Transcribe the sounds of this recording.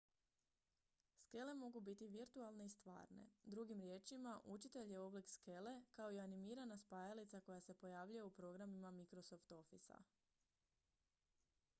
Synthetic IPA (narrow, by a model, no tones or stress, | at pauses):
ske̞le̞mo̞ɡubit̪iʋiɾt̪ualˠne̞ist̪ʋa̰ːɾne̞̰d̪ɾuɡimɾje̞ːt͡ʃimaʔut͡ʃit̪e̞ʎje̞o̞blikske̞le̞kao̞ianimiːɾanaspaːjalit̪sako̞jase̞po̞jaːʋʎujeupɾo̞ɡɾamimamikɾo̞so̞ft̪o̞fisa̰